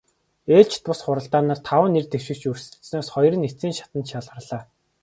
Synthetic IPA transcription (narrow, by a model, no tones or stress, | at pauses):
eːɮt͡ɕʰt̪pʊsχʊɾə̆ɬt̪aːnaːrt̪ʰawə̆nːert̪ewʃɪ̆kt͡ɕɵrsɘ̥̆snɔːsχɔjrə̆net͡siːŋʃḁt̪ə̆nt̪ʃaɮʁə̆rɮaː